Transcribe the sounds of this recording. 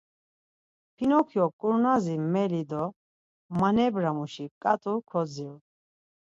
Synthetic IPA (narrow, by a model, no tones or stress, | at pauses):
pʰinɔkʰjɔkʼuɾnazimɛlid̪ɔ | manɛbɾamuʃikʼat̪ʼukʰɔd͡zil